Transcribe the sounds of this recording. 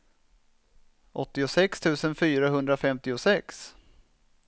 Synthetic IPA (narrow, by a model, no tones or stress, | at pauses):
ʔɔt̪ːɪʊsɛkst̪ʰʉ̟ːsənfyːɾaɦɵnd̪ɾafɛmt̪ɪʊsɛks